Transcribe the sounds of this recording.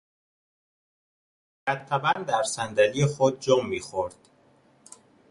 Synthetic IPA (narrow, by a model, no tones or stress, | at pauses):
bæt̪ʰːæbænd̪d̪æɾsænd̪ælijexod̪̚d͡ʒɒːmːiːxoɾd̪̥